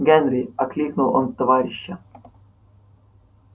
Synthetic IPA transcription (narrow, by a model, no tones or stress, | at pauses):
ɡʲɛnɾʲɪɐklʲiknʊlˠont̪ːɐvaɾʲɪɕːɐ